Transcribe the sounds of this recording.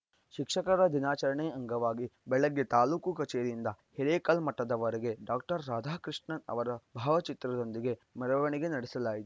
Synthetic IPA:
ʃikʂɐkɐɾɐd̪inaːt͡ʃɐɾɐɳeɐŋɡɐʋaːɡibɛɭɐɡːet̪aːluːkukɐt͡ʃeːɾind̪ɐhɛɾeːkɐlmɐʈːɐd̪ɐʋɐɾɛɡe̞ɖaːk̚ʈɐɾːaːd̪ʱaːkɾiʂɳɐnɐ̰ʋɐɾɐbʱaːʋɐt͡ʃit̪ɾɐd̪o̞nd̪iɡe̞mɐɾɐʋɐɳiɡe̞nɐɽisɐlaːjit̪u

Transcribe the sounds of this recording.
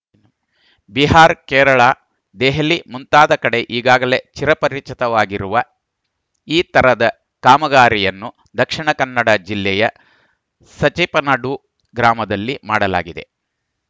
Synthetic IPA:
biɦaːɾkɛːɾɐɭaː | d̪eːɦɐlimunt̪aːd̪ɐkɐɽe̞ʔiːɡaːɡɐle̞t͡ʃiɾɐpɐɾit͡ʃit̪ɐʋaːɡiɾuʋɐ | iːt̪ɐɾɐd̪ɐ | kaːmɐɡaːɾijɐnːu | d̪ɐkʂiɳɐkɐnːɐɽɐd͡ʒilːɛjɐ | sɐt͡ʃipɐnɐɽu | ɡɾaːmɐd̪ɐlːimaːɽɐla̰ːɡid̪e̞

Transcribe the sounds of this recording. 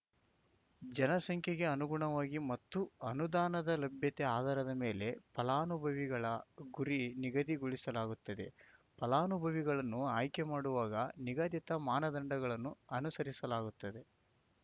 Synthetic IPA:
d͡ʒɐnɐsɐŋkʰjɐɡe̞ɐnuɡuɳɐʋaːɡimɐt̪ːuɐnud̪aːnɐd̪ɐlɐbʱjɐt̪eaːd̪ɐːɾɐd̪ɐme̞ːle̞pɐlaːnubʱɐʋiɡɐɭɐɡuɾiniɡɐd̪iɡuɭisɐlaːɡut̪ːɐd̪e̞̰pɐlaːnubʱɐʋiɡɐɭɐnːuaːjkemaːɽuʋaːɡɐniɡaːd̪jit̪ɐmaːnɐd̪ɐɳɖɐɡɐɭɐnːuɐnusɐɾisɐlaːɡut̪ːɐd̪e̞

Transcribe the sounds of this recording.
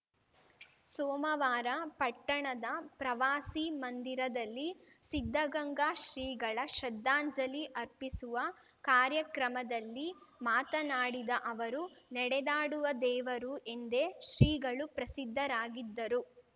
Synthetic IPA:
sɔːmɐʋaːɾɐpɐʈːɐɳɐd̪ɐpɾɐʋaːsimɐnd̪iɾɐd̪ɐlːisid̪ʱːɐɡɐŋɡaːʃɾiːɡɐɭɐʃɐd̪ːaːɲd͡ʒɐliʔɐɾpisuʋɐ | kaːɾjɐkɾɐmɐd̪ɐlːimaːt̪ɐnaːɽid̪ɐʔɐʋɐɾunɛɽɛd̪aːɽuʋɐd̪ɛːʋɐɾuʔe̞nd̪e̞ʃɾiːɡɐɭupɾɐsid̪ʱːɐɾaːɡid̪ːɐɾu

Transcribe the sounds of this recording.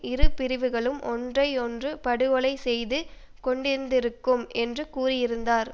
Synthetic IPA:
ɪɾɯpɪɾɪʋɯɣɐɭɯmʔɔndrɐɪɔndrɯpɐɽɯʋɔɭɐɪsɛjðɯ | kɔɳɖɪɾɯnd̪ɪɾɯkːɯmɛndrɯkuːrɪjɪɾɯnd̪aːɾ

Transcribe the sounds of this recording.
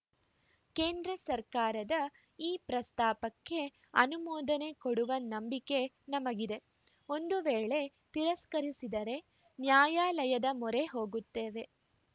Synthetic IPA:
ke̞ːnd̪ɾɐsɐɾkaːɾɐd̪ɐ | iːpɾɐst̪aːpɐkːe̞ | ɐnumɔːd̪ɐne̞koɽuʋɐnɐmbike̞ | nɐmɐɡid̪e̞ | o̞nd̪uʋeːɭe̞ | t̪iɾɐskɐɾisid̪ɐɾe̞ | njaːjaːlɐjɐd̪ɐmɔɾe̞ɦoːɡut̪ːe̞ːʋe̞

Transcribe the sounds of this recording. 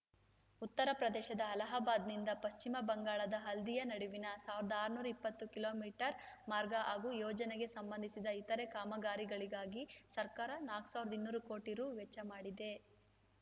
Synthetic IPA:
ut̪ːɐɾɐpɾɐd̪ɛːʃɐd̪ɐːlɐɦaːbaːd̪nind̪ɐpɐʃt͡ʃimɐbɐŋɡaːɭɐd̪ɐɦɐld̪ijɐnɐɽuʋinɐsaːʋiɾd̪ɐaːɾnuːɾɐipːɐt̪ːukilo̞ːmiːʈɐɾ | maːɾɡɐʔaːɡuːjɔːd͡ʒɐneɡe̞sɐmbɐnd̪ʱisid̪ɐit̪ɐɾe̞kaːmɐɡaːɾiɡɐɭiɡaːɡisɐɾkaːɾɐnaːksaːʋiɾɐd̪ɐinːuːɾukoːʈiɾuːʋet͡ʃːɐmaːɽid̪e̞

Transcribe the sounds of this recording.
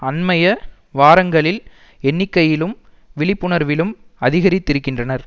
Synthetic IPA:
ɐnmɐjɐ | ʋaːɾɐŋɡɐɭɪl | ɛnːɪkːɐjɪlɯm | ʋɪɭɪpːɯɳɐɾʋɪlɯmɐðɪɣɐɾɪt̪ːɪɾɯkːɪndrɐnɐɾ

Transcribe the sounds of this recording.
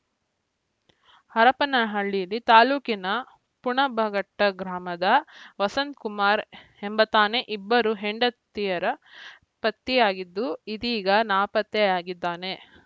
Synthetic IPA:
hɐɾɐpɐnɐɦɐɭːijɐlːit̪aːluːkinɐ | puɳɐbʱɐɡɐʈːɐɡɾaːmɐd̪ɐʋɐsɐnt̪kumaːɾ | embɐt̪aːne̞ʔibːɐɾuɦeɳɖɐt̪ːijɐɾɐ | pɐt̪ːijaːɡid̪ːuid̪iːɡɐnaːpɐt̪ːɛjaːɡid̪ːaːne̞

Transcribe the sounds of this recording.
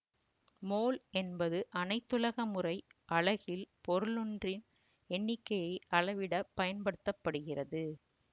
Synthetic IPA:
moːlɛnbɐðɯʔɐnɐɪt̪ːɯlɐɣɐmɯrɐɪʔɐɭɐɣɪlpɔɾɯlɯndrɪn | ɛɳːɪkːɐjɐɪɐɻɐʋɪɽɐpːɐjɐnpɐɽɯt̪ːɐpːɐɽɯɣɪrɐðɯ

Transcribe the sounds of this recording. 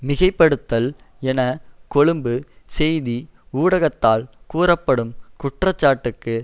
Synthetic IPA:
mɪɣɐɪpːɐɽɯt̪ːɐl | ɛnɐkɔɭɯmbɯ | sɛjði | uːɽɐɣɐt̪ːaːlkuːrɐpːɐɽɯmkʊʈrɐt͡ʃːaːʈːɯkːɯ

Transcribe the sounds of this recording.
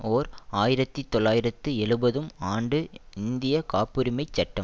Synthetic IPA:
oːɾaːjɪɾɐt̪ːit̪ːɔlːaːjɪɾɐt̪ːɯɛɭɯbɐðɯmaːɳɖɯɪnd̪ɪjɐkaːpːɯɾɪmɐɪt͡ʃːɐʈːɐm

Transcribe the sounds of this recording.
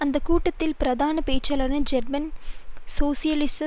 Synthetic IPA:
ɐnd̪ɐkːuːʈːɐt̪ːɪlpɪɾɐd̪aːnɐpeːt͡ʃːɐlɐɾnɐd͡ʒɐɾmɐnsoːsɪjɐlɪs

